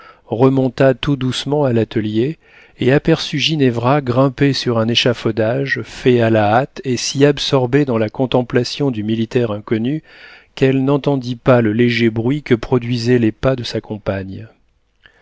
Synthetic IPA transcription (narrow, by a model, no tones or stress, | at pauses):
ʁəmɔ̃t̪at̪ud̪usmɑ̃alat̪əlje | eapɛʁsyʒinɛvʁaɡʁɛ̃pesyʁɛ̃neʃafɔd̪aʒfɛalaat̪esiabsɔʁbed̪ɑ̃lakɔ̃t̪ɑ̃plasjɔ̃d̪ymilit̪ɛʁɛ̃kɔny | kɛlnɑ̃t̪ɑ̃d̪ipaləleʒebʁɥikəpχɔd̪ɥizɛlepad̪əsakɔ̃paɲ